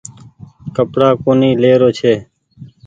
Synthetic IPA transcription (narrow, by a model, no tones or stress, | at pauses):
kəpɽaːkoːniːleːɾoːt͡ʃʰeː